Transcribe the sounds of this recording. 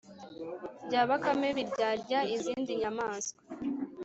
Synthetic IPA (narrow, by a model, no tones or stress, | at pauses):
bɟaːβakame̞βiɾɟaːɾɟaiziːndiɲamaːnso̥